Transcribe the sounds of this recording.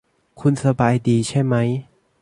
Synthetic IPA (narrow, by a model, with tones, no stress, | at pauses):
kʰu˧nsa˧baː˧jdiː˧t͡ɕʰa˥˩jma˦˥j